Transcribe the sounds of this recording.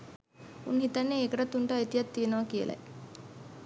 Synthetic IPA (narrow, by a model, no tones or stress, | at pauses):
unɦit̪ɐnːeːkəʈɐt̪ːuɳʈaːit̪ijat̪ːiənəʋɐkijə̰lʔɐ̰j